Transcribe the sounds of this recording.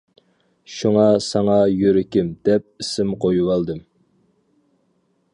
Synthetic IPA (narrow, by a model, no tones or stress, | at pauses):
ʃuŋɑsɑŋɑjøɾɪkʲɪmd̪ɛp̚isɪmqʰojuwɑlˠd̪ɨm